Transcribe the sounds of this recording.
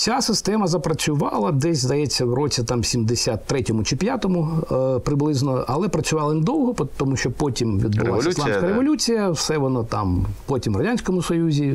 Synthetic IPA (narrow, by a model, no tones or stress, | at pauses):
sʲasɪst̪ɛmɐzɐpɾɐt͡sʲʊʋɑ̰lˠɐd̪ɛsʲzd̪ɐjɛt͡sʲːɐwɾɔt͡sʲit̪ɑmsʲimd̪ɪsʲat̪ːɾɛtʲɔmʊt͡ʃɪpʲjat̪ɔmʊpɾɪblˠɪznɔɐlˠɛpɾɐt͡sʲʊʋɑlˠɐnɪd̪ɔwɦɔpt̪ɔmuʃt͡ʃɔpɔtʲimʋʲḭd̪̚bʊ̰lˠasʲit̪anskɐɾeʋɔlʲut͡sʲijɐwsɛʋɔnɔt̪ɑ̰mpotʲimrɐdʲanʲsʲkɔmʊsɔjuzʲi